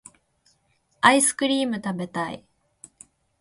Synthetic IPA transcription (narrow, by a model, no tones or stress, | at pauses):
aisɨ̥kɯ̟ɾʲiːmɯ̟t̪abe̞t̪aḭ